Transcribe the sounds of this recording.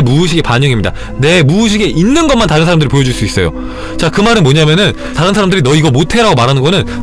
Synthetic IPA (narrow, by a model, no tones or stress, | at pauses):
muuɕʰiɡe̞paɲʌŋimɲida | ne̞muuɕ̬ʰiɡe̞ʔinːɯnɡʌnmantaɾɯnsʰaɾamdɯɾipojʌd͡ʑuɭs͈uis͈ʌjo̰ | t͡ɕakɯmaɾɯnmwoɲamjʌnɯn | taɾɯnsʰaɾamdɯɾinʌiɡʌmotʰe̞ɾaɡomaɾanɯnɡʌnɯn